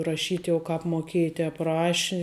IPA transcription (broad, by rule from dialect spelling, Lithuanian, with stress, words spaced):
rɐˈʃʲiːt jɛʊ ˈkɑːp moːˈkʲeːjɪ ˈtʲɛːp ˈrɑːʃʲɪ